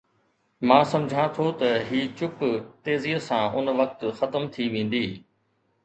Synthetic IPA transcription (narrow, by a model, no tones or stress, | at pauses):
mãːsɐ̃md͡ʑʱãt̪ʰot̪ɐɦiːt͡ɕʊkt̪eːziːɦəsãːʔʊnʋɐk̚t̪xɐt̪əmt̪ʰiʋẽːn̆d̪iː